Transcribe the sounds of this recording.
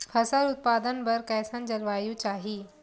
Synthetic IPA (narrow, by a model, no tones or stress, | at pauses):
kʰəsəɾut̪̚pad̪ənbəɾkɛjsãnd͡ʑɐɾʋajũt͡ɕaːɦiː